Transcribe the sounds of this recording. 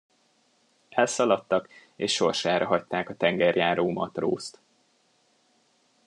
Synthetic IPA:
ɛlsɒlɒt̪ːɒkeːʃʃːo̞rʃaːɾɒɦɒct̪aːkɒt̪ɛŋɡɛrjaːɾoːmɒ̰t̪ro̰ːst̪

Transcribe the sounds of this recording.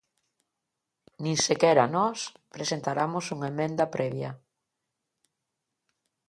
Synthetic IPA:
nĩŋsekɛɾɐnɔspɾesent̪aɾamosuŋaemẽnd̪ɐpɾɛβjɐ

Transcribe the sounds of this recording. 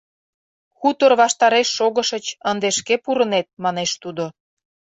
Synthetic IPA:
xut̪orβɑʃt̪ɑɾeʃːoɣəʃət͡ɕənd̪eʃkepuɾə̆net̪̚mɑneʃt̪ud̪o

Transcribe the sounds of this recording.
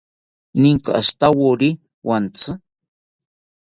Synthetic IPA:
nɪŋkaast̪awoɾi | want͡sɨ

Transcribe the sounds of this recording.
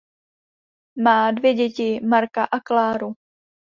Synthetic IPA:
maːdvjɛɟɛcɪmaɾkaʔaklaːɾu

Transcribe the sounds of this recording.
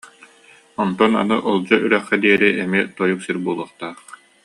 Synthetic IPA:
ɔnt̪ɔna̰nɯʔɔlˠd͡ʑɔʔyɾœχːɛd̪iɛɾiʔɛmit̪ɔjuksiɾbuɔlˠuːχt̪aːχ

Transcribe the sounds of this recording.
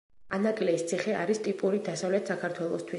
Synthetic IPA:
anaɡʼlɛist̪sʰiχɛa̰ɾist̪ʼipʼuɾid̪asavlɛt̪ʰsakʰaɾt̪ʰwɛlˠɔst̪ʰwi

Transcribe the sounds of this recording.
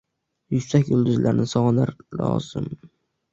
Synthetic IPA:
jʊksakʲjʊlˠd̪ʊzlʔaɾnɪsɒʁɑnlaɾlˠɒ̰z̥ɪm

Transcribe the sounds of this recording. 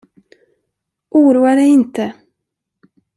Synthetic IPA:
ʔuːɾuːaɖɛjɪnt̪ə

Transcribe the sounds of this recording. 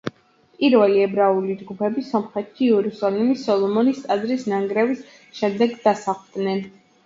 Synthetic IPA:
pʼiɾvɛliɛbɾaulid͡ʒɡupʰɛbisɔmχɛt̪ʰːiɛɾusalimisɔlˠɔmɔnist̪ʼad̪ɾisnaŋɡɾɛvis | ʃɛmd̪ɛɡd̪̥asaχd̪nɛn

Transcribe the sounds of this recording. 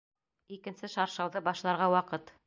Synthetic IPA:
ikɘ̆nsɘʃɑɾʃɑwðɤbɑʃlˠɑɾʁɑwɑqɤt̪

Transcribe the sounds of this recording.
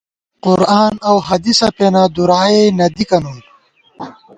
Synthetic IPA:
qʊɾaːnɐwɦɐd̪isɐpeːnaːd̪uɾaːenɐd̪ikɐnuː

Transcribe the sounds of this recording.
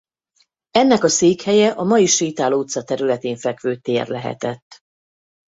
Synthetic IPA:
ɛnːɛkɒseːkhɛjɛʔɒmɒjiʃiːt̪aːlot̪sɒt̪ɛɾylɛt̪eːɱfɛkʋøːt̪eːrlɛɦɛ̰t̪ɛt̪ː

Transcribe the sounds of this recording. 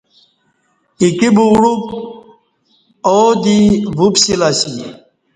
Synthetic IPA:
ikibuɽub̚ | od̪ivupsilasi

